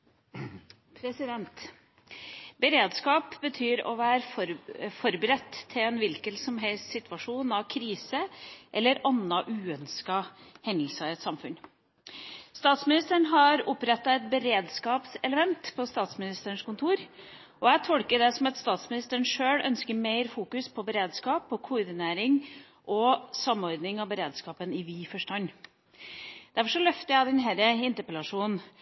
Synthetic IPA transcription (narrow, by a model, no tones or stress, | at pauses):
pʰɾɛsɪd̪ɛnt̪ | bəɾeːd̪skɑːpbət̪ʰyːɾɔ̰ʋæːɾ | fɔɾbɾɛt̪ʰːɪlɛnʋɪlkəlsɔmɦɛlst̪sɪt̪ʰʋɑʂuːnɑʋkʰɾiːsəʔɛlːəɾɑnːɑʔʉːœnskɑhɛnd̪əl̩sɑɪɛt̪sɑmfʉn | st̪ɑːt̪smɪnɪst̪əɳɦɑɾʊpɾɛt̪ːɑɛt̪̚bəɾeːd̪skɑːpsɛləmɛnt̪pʰɔst̪ɑːt̪smɪnɪst̪əɳʂkʊnt̪ʰuːɾ | ɔæɪt̪ʰɔlkəɖɛsɔmɑt̪st̪ɑːt̪smɪnɪst̪əɳ̩ʂøːɽœ̰nskəɾmeɪɾfuːkʉspʰɔbəɾeːd̪skɑːpɔkʰʊʊɾd̪ɪneːɾɪŋ | ʔɔsɑmɔɾd̪nɪŋɑʋbəɾeːd̪skɑːpənɪʋiːfɔʂʈɑnː | d̪̥æɾfɔʂɔlœft̪əjæd̪ɛnɦæɾəɪnt̪əɾpɛlɑʂuːn